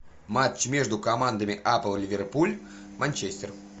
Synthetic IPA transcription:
mat͡ɕmʲeʐd̪ʊkɐmand̪əmʲɪʔapəlˠlʲɪvʲɪrpulʲ | manʲt͡ɕesʲt̪ʲɛr

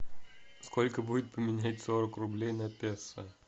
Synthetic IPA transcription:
skolʲkəbudʲɪt̪̚pəmʲɪnʲætʲsoɾəkrʊblʲejnɐpʲesə

